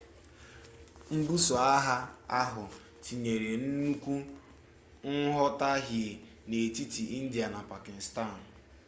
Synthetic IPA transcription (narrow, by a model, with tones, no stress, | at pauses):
m̩˦bu˦sɔ˨a˦ɦa˦a˦ɦʊ˨ | ti˨ɲe˨ɾe˨n̩˦nu˦kʷu˦ | n̩˦ɦɔ˦ta˦ɦɪ˨ | ne˨ti˦ti˨ʔi˦n̩˦di˨a˨na˨pa˨kɪ˨sta˦˨n̩˨